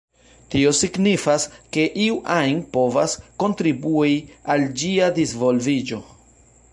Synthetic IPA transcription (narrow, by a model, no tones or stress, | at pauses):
tio̞siɡnifaske̞ʔiuʔajnpo̞vasko̞ntɾibuiald͡ʒiadizvo̞lvid͡ʒo̞